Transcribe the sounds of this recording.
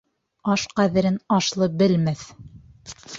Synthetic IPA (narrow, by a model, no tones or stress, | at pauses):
ɑʃqæðɘ̆ɾɘnɑʃlˠɤbɘ̆lmæθ